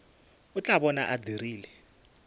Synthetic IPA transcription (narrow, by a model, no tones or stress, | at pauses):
ut͡ɬʼaɓɔna̰ʔadʱiriːlɛ